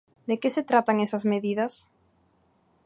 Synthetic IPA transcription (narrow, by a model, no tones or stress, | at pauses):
d̪ekɪset̪ɾat̪aŋesɐzmeðiðɐs